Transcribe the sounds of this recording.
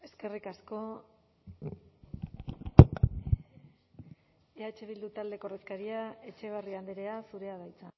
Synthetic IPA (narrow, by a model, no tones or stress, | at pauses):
e̞ske̞rikasko̞ | eat͡ʃe̞βild̪ut̪ald̪e̞ko̞reskaɾiae̞t͡ʃe̞β̞ariand̪eɾe̞asuɾe̞aðajt͡sa